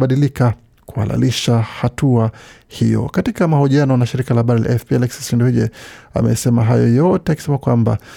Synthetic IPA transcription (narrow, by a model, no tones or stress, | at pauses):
ɓaɗilika | kuha̰la̰liʃahatuahijɔ̰katikamahɔʄianɔnaʃiɾikalahaɓaɾila̰ʔɛfpiɛlɛksi̥sindɔhiʄɛa̰mɛ̰sɛmaɦajɔjɔtɛakisɛmakwamba̰